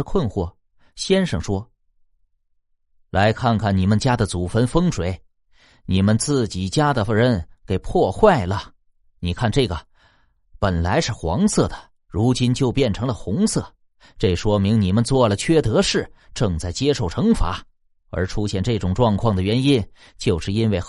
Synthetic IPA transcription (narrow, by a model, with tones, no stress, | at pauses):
kʰwə˥˧nxwɔ˥˩ | ɕjɛ˥nʂɤ˥˩ŋʂwɔ˥ | lʔa˧˥ɪkʰa˥˧nkʰa˥˩nni˨˩mə˨nt͡ɕja˥d̪ə˨t͡su˨˩fə˧˥nfɤ˥ŋʂʰwe˨˩ɪ | ni˨˩mə˧nt͡sɹ̩˥˩t͡ɕi˨˩t͡ɕja˥d̪ə˨˩ɻə˧˥nke˨˩ɪpʰwɔ˥˧xwa˥˩ɪlə˩ | ni˨˩kʰa˥˧nʈ͡ʂɤ˥˩ɡə˩ | pə˨˩nla˧˥ɪʂɻ̩˥˩xwɑ̰˧˥ŋsɤ˥˩d̪ə˩ | ɻu˧˥t͡ɕi˥nt͡ɕjo˥˧ʊpjɛ˥˩nʈ͡ʂʰɤ˧˥ŋlə˨xʊ˧˥ŋsɤ˥˩ | ʈ͡ʂe˥˩ɪʂwɔ˥mi˧˥ŋni˨˩mə˦nt͡swɔ˥˩lə˩t͡ɕʰɥɛ˥t̪ɤ˧˥ʂɻ̩˥˩ʈ͡ʂɤ˥˧ŋt͡sa˥˩ɪt͡ɕjɛ˥ʂo˥˩ʊʈ͡ʂʰɤ˧˥ŋfa̰˧˥ | ə̰˞˧˥ʈ͡ʂʰu˥ɕjɛ˥˧nʈ͡ʂɤ˥˩ʈ͡ʂʊ˨˩ŋʈ͡ʂwɑ˥˧ŋkʰwɑ˥˩ŋd̪ə˩ɥɛ˧˥ni˥n | t͡ɕjo˥˧ʊʂɻ̩˥˩i˥nwe˥˩ɪ